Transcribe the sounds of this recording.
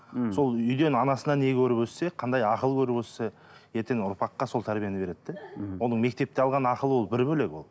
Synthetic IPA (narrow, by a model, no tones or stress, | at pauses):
so̞lˠʏjd̪e̞nɑnɑsənɑne̞ɡʲɪkʲʰɵɾɪpɵlse̞qʰɑnd̪ɑjɑqəlˠəkʲʰɵɾɪpwølse̞ | je̞ɾt̪enʊɾpɑqːɑso̞lˠt̪ʰæɾbijenɪbe̞ɾe̞d̪d̪ewo̞nəɴme̞k̚t̪e̞p̚t̪e̞ɑlˠʁɑnɑqəlˠəwo̞lˠbɪɾbɵle̞ɡwo̞̰lˠ